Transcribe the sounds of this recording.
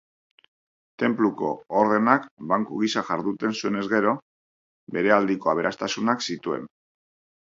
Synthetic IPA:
t̪e̞mpluko̞̰ːɾð̞e̞nakbaŋkuɣ̞isaʝaɾðut̪e̞nsue̞ne̞zɣe̞ɾo̞ | be̞ɾe̞ald̪iko̞aβe̞ɾast̪asunaksit̪ue̞̰n

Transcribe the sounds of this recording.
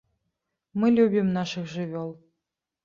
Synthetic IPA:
mɨlʲubʲimnɑʃɨxʒɨvʲolˠ

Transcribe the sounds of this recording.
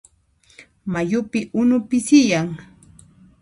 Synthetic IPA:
majʊpɪʔʊnʊpɪsɪjaŋ

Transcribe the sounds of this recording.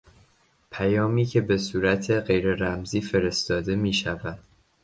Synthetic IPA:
pʰæjɒːmiːcʰe̞be̞suːɾæt̪ʰe̞ɢe̞jɾe̞ɾæmziːfe̞ɾe̞st̪ɒːd̪e̞miːʃævæd̪̥

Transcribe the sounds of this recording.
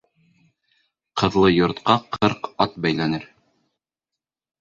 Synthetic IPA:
qɤ̆ðlˠɤjŏɾt̪qɑqʰɤɾqɑt̪̚bæjlænɘɾ

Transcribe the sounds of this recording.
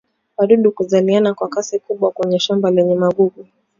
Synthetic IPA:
waɗuɗukuzalianakwakasikuɓwakwɛɲɛʃambalɛɲɛmaɡuɡu

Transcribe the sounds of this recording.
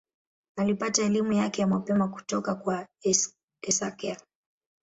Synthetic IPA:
alipataɛlimujakɛjamapɛmaku̥tɔkakwa | ɛsakɛa

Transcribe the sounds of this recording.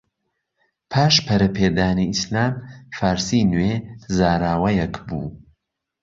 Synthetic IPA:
pʰaːʃpʰɐɾɐpʰeːd̪aːniislaːmfaːɾsiːnwezaːɾaːwɐjɛkbṵː

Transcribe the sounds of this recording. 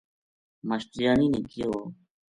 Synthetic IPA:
məɕʈ̪ijaːniːniːkɪjoː

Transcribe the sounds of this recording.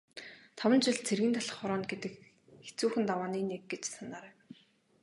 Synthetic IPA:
t̪ʰɔwə̆nt͡ɕɪ̆ɮt͡sʰerɣɘ̆nt̪ʰaɮə̆χɔɾɔːnt̪̚ɡet̪ɘ̆k | xe̥t͡suːxɘ̆nt̪awaːniːnek̚ɡet͡ɕsanaːɾæːw

